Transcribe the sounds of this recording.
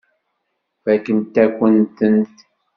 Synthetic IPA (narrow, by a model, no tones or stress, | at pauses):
fækənt̪ːækʷənt̪ənt̪